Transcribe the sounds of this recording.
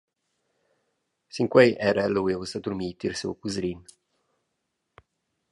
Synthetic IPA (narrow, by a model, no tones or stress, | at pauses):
siŋkwɛjʔɛɾɛlowivusad̪uɾmiːt̪iɾsṵwkuzɾin